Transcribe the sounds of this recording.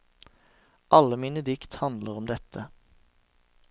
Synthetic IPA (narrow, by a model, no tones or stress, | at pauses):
ʔɑləmiːnəd̪ɪkt̪hɑnd̪ləʁɔmd̪ɛt̪ʰə